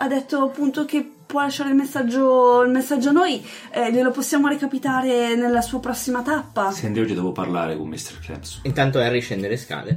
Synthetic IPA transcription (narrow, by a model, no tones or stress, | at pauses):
ad̪ːet̪ːoapːunt̪ok̟e | pːwɔlːaʃːaːɾeilmesːad͡ʒːoilmesːad͡ʒːoanːoːj | ɛʎeloposːjaːmoɾekapit̪aːɾenelːasuːapɾɔsːimat̪apːasɛnd̪iɔd͡ʒːid̪ɔvoparla̰ːɾekomːist̪eɾkɾɛ̰msint̪ant̪oɛarːit͡ʃːɛnd̪eɾeska̰ːle